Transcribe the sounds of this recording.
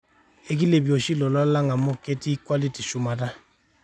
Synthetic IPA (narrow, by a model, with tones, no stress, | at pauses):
e˦ki˦le˨bi˨o˨ʃi˦lɔ˨lɔ˦la˦ŋa˨mo˦ke˦ti˦kwa˦li˦ti˨ʃu˦ma˨ta˦